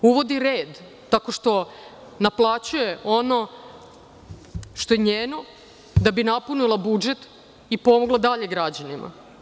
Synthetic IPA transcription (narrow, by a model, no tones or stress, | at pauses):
uʋo̞d̪iɾeːd̪ː | ako̞ʃt̪o̞ | naplˠat͡ɕuje̞o̞no̞ | ʃt̪o̞jeɲeːno̞ | d̪abinapunulˠabud͡ʒe̞t̪ | ipo̞moɡlˠad̪aʎe̞ɡɾad͡ʑanima̰